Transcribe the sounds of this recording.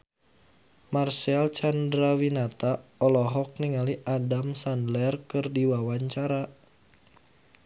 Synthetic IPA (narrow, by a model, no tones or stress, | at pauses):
marsalt͡ʃandɾawinat̪aɔlɔɦɔk̚niŋaliʔadamsandlɛrkɨrdiwawaɲt͡ʃaɾa